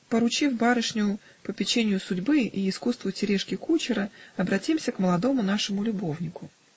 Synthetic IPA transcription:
pəɾʊt͡ɕifbaɾɨʂnʲʊʊ | pəpʲɪt͡ɕenʲɪjʊsʊdʲbɨiːskust̪vʊtʲɪɾʲeʂkʲɪkut͡ɕɪɾəɐbɾɐtʲimsʲəkməlˠɐd̪o̞mʊn̪aʂɨmʊlʲʊbo̞vnʲɪkʊ

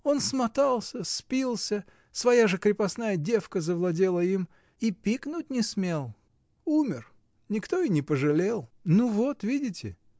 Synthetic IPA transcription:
o̞nsmɐt̪alˠsʲəspʲilˠsʲə | svɐjaʐɨkɾʲɪpɐsnajədʲe̞fkəzəvlˠɐdʲe̞lˠəim | ipʲiknʊt̚ʲnʲɪsmʲe̞lˠ | umʲɪr | nʲɪkt̪o̞inʲɪpəʐɨlʲelˠnuvo̞t̪vʲidʲɪtʲɪ̰

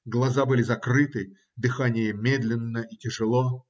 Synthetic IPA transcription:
ɡlˠɐzabɨlʲɪzɐkrɨt̪ɨ | d̪ɨxanʲɪjəmʲed̪lʲɪnːəʔitʲɪʐɨlˠo

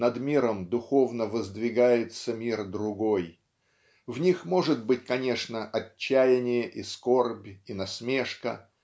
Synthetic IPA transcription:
nɐd̪mʲiɾəmd̪ʊxo̞vnəvəzd̪vʲɪɡajɪt̪səmʲird̪ɾʊɡo̞j | vnʲixmo̞ʐɨt̪bɨt̚ʲkɐnʲe̞ʂnəʔɐt͡ɕːæjɪnʲɪjəʔisko̞rbʲinɐsmʲe̞ʂkə

